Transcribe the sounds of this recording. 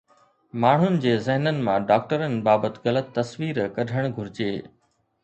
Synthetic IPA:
maːɳ̤ʊnɪ̆d͡ʑeːzɪɦnənɪ̆mãɖaːk̚ʈəɾənɪ̆baːbət̪ɪɣɐlət̪ːɐsʋiːɾkɐɖʱəɽ̃ɡʱʊɾɪd͡ʑeː

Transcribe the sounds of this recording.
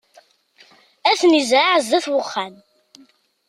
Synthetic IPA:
æθnizɾaʕzæθwəχːæn

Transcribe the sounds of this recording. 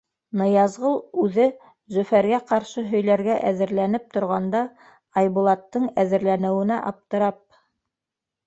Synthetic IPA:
nɤ̆jɑzʁɤlˠʉðɘ | zɵ̆fæɾɡæqɑɾʃɤɦɵ̆jlæɾɡæʔæðɘ̆ɾlænɘp̚t̪ŏɾʁɑnd̪ɑ | ɑjβulˠɑt̪ːɤɴæðɘ̆ɾlænɘ̆wɘ̆næʔɑp̚t̪ɤ̆ɾɑp̚

